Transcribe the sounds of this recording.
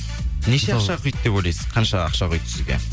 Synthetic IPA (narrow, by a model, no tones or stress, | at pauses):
neʃeqχʃɑqʰʏjt̪d̪e̞pwojlʲˠɑjsɪz̥qʰɑnʃɑɑ̰qʃɑqʰəjt̪ə̥sɪzɡʲḛ